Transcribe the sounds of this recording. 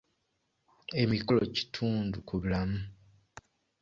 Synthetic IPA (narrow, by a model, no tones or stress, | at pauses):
e̞mikolo̞̰ci̥tʰuːndukuβulamu